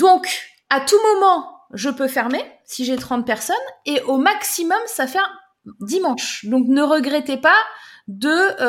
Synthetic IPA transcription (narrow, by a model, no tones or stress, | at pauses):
d̪ɔ̃k | at̪umɔmɑ̃ʒəpøfɛʁmesiʒet̪χɑ̃t̪̚pɛʁsɔneʔomaksimɔmsafɛ | d̪imɑ̃ʃd̪ɔ̃knəʁəɡʁɛt̪epad̪ə